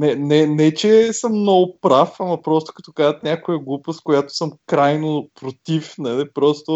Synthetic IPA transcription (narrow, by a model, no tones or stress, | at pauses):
nɛnɛnɛt͡ʃɛsəmːnɔɡʊpɾafɐmɐpɾɔst̪ʊ̥kɐ̥t̪okazət̪nʲakʊjəɡlˠupəskʊjat̪ʊ̥səmkɾajnopɾot̪ifnɐlipɾɔst̪ʊ